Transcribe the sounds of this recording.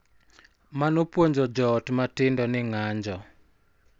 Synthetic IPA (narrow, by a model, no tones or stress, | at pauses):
manopwoɲd͡ʒɔd͡ʒɔːtmatɪndɔnɪŋaɲd͡ʒɔ